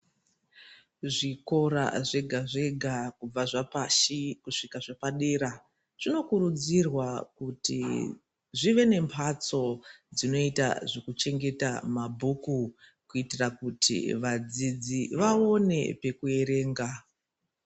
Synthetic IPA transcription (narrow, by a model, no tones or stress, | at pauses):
ʐiko̞ɾa̰ʐe̞ɡʱaʐe̞ɡʱakub͡vaʐapaʃikuʂikaʐapaɗe̞ɾa | t͡ʂino̞kuɾud͡zirwakutḭ | ʐiʋe̞ne̞mpʰat͡so̞d͡zino̞ita̰ʐekut͡ʃe̞ŋɡe̞ta̰mabʱuku | kuitirakutʰḭʋad͡zid͡ziʋao̞ne̞̰pe̞kue̞ɾe̞ːŋɡa